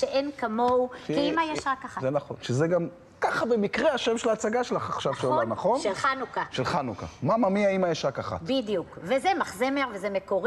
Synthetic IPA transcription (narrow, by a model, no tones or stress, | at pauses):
ʃeʔenkamowiimajeʃakaχazenaχo̞̰nʃezeɡam | kaχabemikʁeaʃemʃelaːt͡saɡaʃelaχaχʃavʃeolanaχo̞nʃelanukaʃelχanuka̰mamamiaimajeʃakaχa̰tidjukvezemaχzemeʁvezemekoʁi